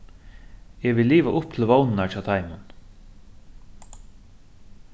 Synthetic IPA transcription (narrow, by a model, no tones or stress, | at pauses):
ɛʋɪlːiːʋaʔʊp̚t̪ʰɪlvownɪnat͡ʃaːt̪ʰaɪmʊn